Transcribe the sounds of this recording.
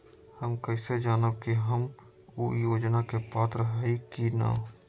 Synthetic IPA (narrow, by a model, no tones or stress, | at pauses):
hɐmkəɪsed͡ʒaːnəb̚kiɦɐm | ujoːd͡ʒnakepaːt̪ɾəɦaikina̰ː